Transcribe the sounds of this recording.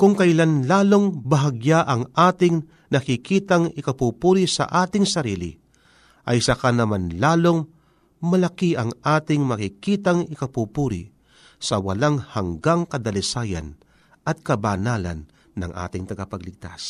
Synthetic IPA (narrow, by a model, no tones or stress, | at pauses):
kʊŋkɐʔɪlanlaːlo̞ŋbɐɦɐɡjaʔɐŋʔaːt̪ɪŋ | nɐkɪkiːt̪aŋɪkɐpupuːɾisɐ̰ʔaːt̪ɪŋsɐɾiːlɪ̰ | ʔɐjsɐkanɐmanlaːlo̞ŋ | mɐlɐkiʔɐŋʔaːt̪ɪŋmɐkɪkit̪aŋɪkɐpupuːɾɪ̰ | sɐwɐ̰laŋhaŋɡaŋkɐd̪ɐlɪsaːjɐ̰n | ʔɐt̪̚kɐbanaːlɐ̰nː | ɐ̰ŋʔa̰t̪ɪŋt̪ɐɡapɐɡlɪɡ̚t̪a̰s